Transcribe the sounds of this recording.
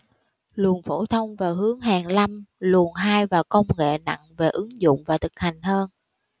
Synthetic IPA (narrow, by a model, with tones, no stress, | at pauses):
lu˨˩ənfo˧˩t̪ʰə˧wŋ͡mvaː˨˩wɦɨ˨˦əŋɦaː˨˩ŋla˧mlu˨˩ənɦaː˧jvaː˨˩wkə˧wŋ͡mŋḛ˧˨na̰˧˨ŋve˨˩ʔɨ˨˦ŋzʊ̰˧˨ŋ͡mvaː˨˩t̪ʰɨ˨˩k̚ha˨˩jŋ̟həː˧n